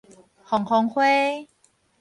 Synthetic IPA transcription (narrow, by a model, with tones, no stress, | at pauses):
kʰɔː˨˩˦ŋkʰɔː˨˦ŋkʰweː˦˧˩